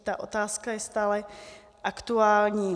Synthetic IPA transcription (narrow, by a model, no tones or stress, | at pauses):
t̪aʔo̰t̪aːskajɛst̪aːlɛ | ʔakt̪uaːlɲiː